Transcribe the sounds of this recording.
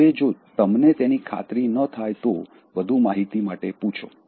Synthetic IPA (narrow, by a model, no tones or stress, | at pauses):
ed͡ʒot̪əmnet̪enikʰa̰t̪ɾinət̪ʰajt̪o | ʋəd̪ʱumaɦit̪imaʈeput͡ʃʰo̰